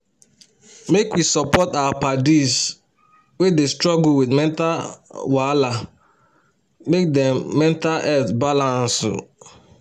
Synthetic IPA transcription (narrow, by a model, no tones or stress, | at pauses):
mekwisɔpɔtawapadis | wedestɹɔɡuwidmɛ̃ntawala | mek̚dɛ̃mːɛ̃ntalʔɛtbalãnsʊ̰